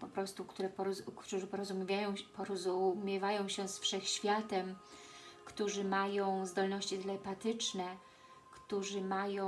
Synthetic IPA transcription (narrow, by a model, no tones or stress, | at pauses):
pɔpɾɔst̪ukt̪uɾɛpɔkuʐɘpɔɾɔzumʲajɔ̃pɔɾɔzumʲɛvajɔ̃w̃ɕɛsfʂɛxɕfʲjat̪ɛm | kt̪uʐɘmajɔ̃w̃zd̪ɔlnɔɕt͡ɕid̪lɛpat̪ɘt͡ʂnɛ | kt̪uʐɘmajɔ̃